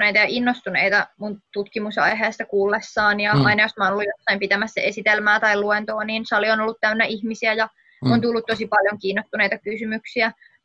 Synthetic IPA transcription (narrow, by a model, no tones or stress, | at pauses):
nejt̪ɑjɑʔinːost̪unḛit̪ɑmunt̪ut̪kimusɑ̰jɦeːst̪ɑkuːlːesːɑːnjɑɑinɑjosmɑonolːujosːɑimpit̪æmæsːæʔesit̪elmæːt̪ɑiluent̪oːniːnsɑlionolːut̪t̪æynːæʔihmisiæjɑ | ont̪ulːut̪t̪osipɑljoŋkiːnːost̪unejt̪ɑkysymyksiæ